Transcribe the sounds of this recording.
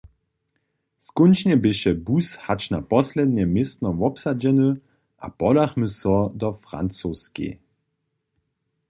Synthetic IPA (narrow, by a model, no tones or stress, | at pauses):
skʊnt͡ʃɲɛbɪɕɛbushat͡ʃnapɔslɛd̪ɲɛmɪst̪nɔvɔpsad͡ʑɛnɨ | ʔa̰pɔlaxməsɔd̪ɔfʁa̰nt͡soːskḭ